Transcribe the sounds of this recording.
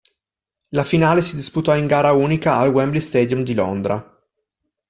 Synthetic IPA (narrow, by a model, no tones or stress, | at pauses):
lafinaːlesid̪isput̪ɔiŋɡaːɾauːnikaːlɡwɛmblist̪ɛːd̪jumd̪ilo̰nd̪ɾa